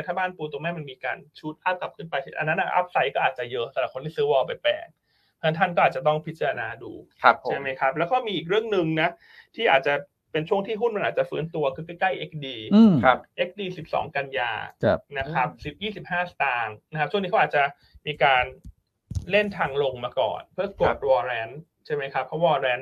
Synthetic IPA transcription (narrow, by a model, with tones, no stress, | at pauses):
t̪ʰaː˥˩baː˥˩npuː˧t̪u˨˧ŋmɛ˧˦˥ma˧nmiː˧ka̰ː˧nt͡ɕʰu˦˥t̪̚ʔaː˥˩p̚kla˨˩p̚kʰɯː˥˩npa˧jʔa̰˧nːa˦˥nʔa˧˩ʔa̰˦˥p̚sa˧˦jkɔː˥˩ʔaː˨˩t̪̚t͡ɕa˨˩jɤ˦˥ʔsa˧˩la˨˩kʰo˧nt̪ʰiː˥˩sɯː˦˥wɔː˧pa˧jpɛ̰ː˨˩ŋ̚ʰ | a˥˧˨t̪ʰa˥˩nkɔː˥˩aː˨˩t͡ɕt̪ɔ˥˩ŋpʰi˦˥t͡ɕa˧ɾa˧naː˧dṵː˧a˦pʰːt͡ɕʰa˥˩ma˦˥jkʰa˦˥p̚lɛː˦˥wkɔː˥˩miː˧ʔiː˨˩k̬̚ɾɯ˥˩əŋnɯ˧ŋna˦˥ | t̪ʰiː˥˩ʔaː˨˩t̪̚t͡ɕa˨˩ | pe˧nt͡ɕʰu˥˩əŋt̪ʰiː˥˩ɦu˥˩nm˧nʔaː˨˩t͡ɕa˨˩fɯː˦˥nt̪u˧ɐkʰɯː˧˩ka˥˩kla˥˩jʔe˦˥k̚diː˧a˦˧ʔe˦˥k̚diː˧si˨˩p̚sɔ̰ː˩˦ŋka˧nja̰ː˧na˦˥kʰa˦˥p̚si˨˩p̚jiː˥˩si˨˩p̚haː˥˩st̪aː˧ŋna˦kʰa˦˥pt͡ɕʰu˥˩˨ni˦˥ʔːt̚t͡ɕa˨˩ | miː˧kaː˧n | le˥˩nt̪ʰaː˧ŋlo˧ŋmaː˧kɔ̰ː˨˩npʰɯ˥˩ɐku˨˩ət̪̚wɔː˧ɾɛː˦˥n | t͡ɕʰa˥˩jma˦˥jkʰa˦˥pʰːɔ˦˥wɔː˧ɾɛː˦˥n